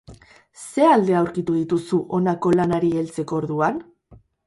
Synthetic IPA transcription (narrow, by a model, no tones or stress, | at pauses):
se̞ald̪e̞awɾkit̪uðit̪usuʔo̞nako̞lanaɾie̞lt͡se̞ko̞oːɾðuan